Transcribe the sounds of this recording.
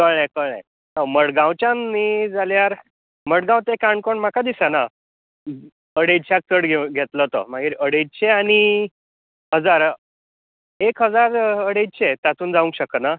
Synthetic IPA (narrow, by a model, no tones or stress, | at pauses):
kəɭẽkəɭḛ̃ | aməɽɡãwt͡ɕjanːid͡zaljaɾ | məɽɡãwt̪ekaɳkoɳm̤akʰad̪isana | əɽed͡ʑt͡ɕʰak̚t͡səɽɡʱeɡʱet̪lət̪ə̰m̤aɡiːɾəɽed͡ʑ̚t͡ɕʰeaɽ̃i | ɦəd͡zaɾ | ekɦəd͡zaɾəɽed͡ʑt͡ɕʰet̪at̪uːnd͡zaʋũŋkɕəkəna